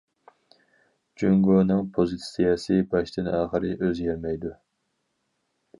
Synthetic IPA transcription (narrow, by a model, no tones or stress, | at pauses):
d͡ʒyŋɡonɨŋpʰozɨt̪sijɑsɨbɑʃt̪ɪnæːχəɾɨʔøzjɛɾmɛjd̪u